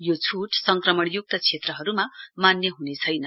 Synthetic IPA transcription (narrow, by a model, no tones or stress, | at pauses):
jot͡sʰuʈsʌŋkrʌmʌɽjuk̚t̪ʌt͡sʰet̪rʌɦʌɾumamanjʌɦunet͡sʰʌjnʌ